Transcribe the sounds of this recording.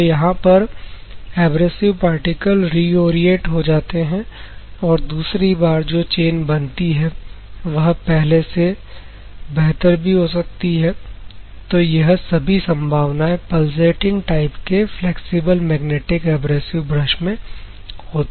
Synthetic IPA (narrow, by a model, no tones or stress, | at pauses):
jɐɦãpɐɾ | ɛːbɾesɪʋpaːɾʈɪkəlɾiːoːɾijeːʈɦod͡ʒaːt̪eɦɛ̃ɔːɾd̪uːsɾibaːɾd͡ʒoːt͡ʃeːnbɐnt̪iɦɛʋɐɦpɛɦlese | bɛɦt̪əɾbʱiɦos̬ɐk̚t̪iɦɛː | t̪oːjɐɦsɐbʱisɐ̃mbʱaːʋnaẽpɐlseːʈɪ̃ŋɡʈaːɪpkefleːksɪbəlmɛːɡneːʈɪkɛːbɾeːsɪʋbɾɐʃmẽ | ɦoːt̪ː